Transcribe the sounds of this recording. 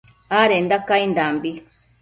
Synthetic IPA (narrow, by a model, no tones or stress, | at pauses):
aɾɛndakaindambi